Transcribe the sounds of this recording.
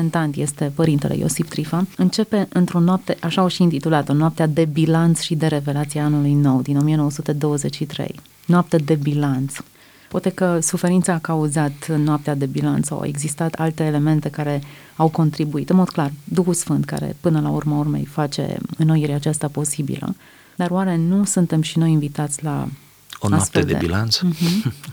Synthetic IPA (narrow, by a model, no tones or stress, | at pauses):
ent̪ant̪je̞st̪e̞pəɾint̪e̞lḛjo̰sift̪ɾifaɨnt͡ʃe̞pe̞ɨnt̪ɾo̞noap̚t̪e̞ʔaʃaoʃiiːnt̪it̪ulat̪ənoap̚t̪ead̪e̞bilant̪sʃid̪e̞ɾe̞ve̞lat̪siaanulujno̞wd̪ino̞mijenowəsut̪e̞d̪o̞wəze̞t͡ʃʲʃit̪ɾḛj | noap̚t̪ed̪e̞bilant̪s | pwat̪e̞kəsufe̞ɾint̪saːkauzat̪noap̚t̪ead̪e̞bilant̪sa̰wa̰e̞ɡzist̪at̪alt̪e̞ːle̞me̞nt̪e̞kaɾe̞ | awko̞nt̪ɾibuit̪ɨnmo̞d̪̚klard̪uxusfɨnt̪̚ka̰ɾḛpɨnəlaurməurme̞̰jfat͡ʃe̞̰ɨnojiɾʲat͡ʃast̪apo̞sibḭlə̰ | d̪arwaɾe̞nusunt̪e̞mʃino̞jinvit̪at̪sʲla̰ | oaafeeld̪eḛbḭla̰nt̪s̩ɦm